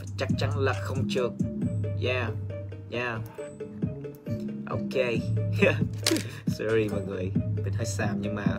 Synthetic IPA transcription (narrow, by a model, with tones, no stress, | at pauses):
fa˨˩t͡ɕa˦˥k̚t͡ɕa˧ŋlə˨˩k̚xə˧wŋ͡mt͡ɕɨ˦˥ək̚ja˧˩ | ja˧˩ | ʔo̰˧ke˧ja˧ | sɔ˧ɹi˧ma˨˩ŋɨ˨˩əjɓi˨˩nha˧jsaː˧˩mɲɨ˧ŋma̰ː˨˩